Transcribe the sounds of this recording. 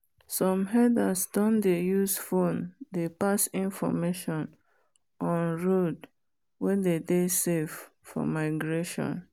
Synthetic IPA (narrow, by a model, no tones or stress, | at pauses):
sɔ̃mɦɛdasdɔ̃ndejusfõndepasĩnfɔ̰meʃɔ̃n | ɔ̃nɹod | wɛdedesev | fɔ̰maɪɡɹeʃɔ̰̃n